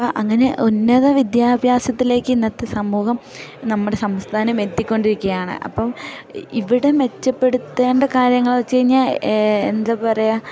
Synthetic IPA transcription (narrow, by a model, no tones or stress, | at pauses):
pɐʔɐŋːɐne̞ʔonːɐðɐʋid̪jaːbʱjaːsɐt̪ːile̞ːkːɨinːɐt̪ːesɐmːuːhɐm | nɐmːuɽe̞sɐmst̪ʰaːnɐmet̪ːikʲːo̞ɳɖiɾukʲːuɣɐjaːɳɨ̰ʔɐ̰pːɐmiʋiɽe̞me̞t͡ɕːɐpːeɽut̪ːeːɳɖɐkaːɾjɐŋːɐɭt͡ɕe̞jiɲːaḛnd̪ɐpɐrɐja